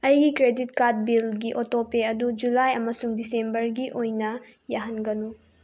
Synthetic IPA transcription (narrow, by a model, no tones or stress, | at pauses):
ɐjɡikɾedit̚kat̚bilɡiʔotopeɐdud͡ʒulajɐmɐsuŋdisembɐɾɡiʔojnɐ | jaɦɐnɡɐnu